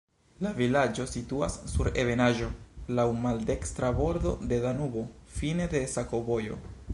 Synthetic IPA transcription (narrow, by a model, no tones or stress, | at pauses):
lavilad͡ʒo̞situa̰sːuɾe̞ve̞naʒo̞lawmalde̞kstɾabo̞ɾdo̞̰de̞danubo̞fine̞de̞sako̞bo̞jo̞̰